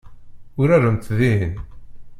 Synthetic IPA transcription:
ʊɾæɾənt̪ðin

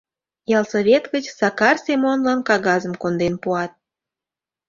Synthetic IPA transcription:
jɑlˠsoβʲet̪ɣət͡ɕsɑkɑrsʲemonlɑnkɑɣɑzəmkond̪enpuɑt̪̚

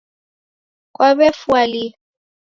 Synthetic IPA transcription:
k̬ʼwʔabɛfwali

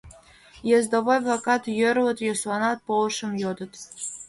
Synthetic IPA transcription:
jezd̪ovojblˠɑkɑt̪jøɾlə̆t̪joslˠɑnɑt̪̚polˠʃə̆mjod̪ə̆t̪

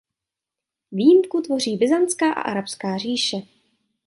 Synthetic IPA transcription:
viːjɪmkut̪vo̞r̝iːbɪzant͡skaːʔa̰ʔa̰ɾapskaːr̝iːʃɛ

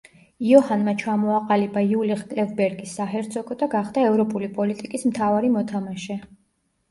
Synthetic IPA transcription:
iɔhanmat͡ʃʰamɔaqʼalibaiuliχkʼlɛvbɛɾɡisːaɦɛɾt̪sʰʼɔkʼɔd̪aɡaχd̪aɛvɾɔpʼulipʼɔlit̪ʼikʼismt̪ʰavaɾimɔt̪ʰamaʃɛ

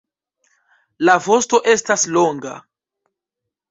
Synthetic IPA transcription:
lavo̞sto̞ʔe̞staslo̞ŋɡa̰

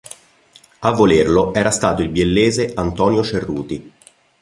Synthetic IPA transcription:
avːolerloɛːɾast̪aːt̪oilbjelːeːzeant̪ɔːnjot͡ʃerːṵːt̪i

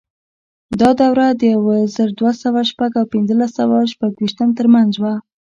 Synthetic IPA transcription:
d̪ɑd̪awɾad̪əjawazəɾd̪wasawaʃpaɡawpɪnzəlasawaʃpaɡwiʃt̪əmt̪əɾmanzwa

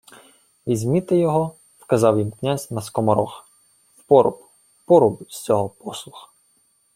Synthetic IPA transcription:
ʋʲizʲmʲit̪ɪjɔɦɔ | wkɐzɑwjimknʲazʲnɐskɔmɐɾɔxɐ | wpɔɾʊ̰bʊ | pɔɾʊbʊsʲt͡sʲɔɦɔpɔslˠʊxɐ̥

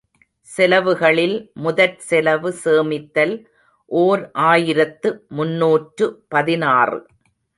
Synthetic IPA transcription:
sɛlɐʋɯɣɐɭɪlmʊðɐɾsɛlɐʋɯseːmɪt̪ːɐl | ʔoːɾʔaːjɪɾɐt̪ːɯmʊnːuːʈɾɯpɐðɪnaːrɯ̰

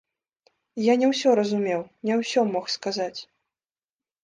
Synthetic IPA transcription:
janʲɛwsʲɔɾɐzumʲɛwnʲɛwsʲɔmɔxskazat͡sʲ

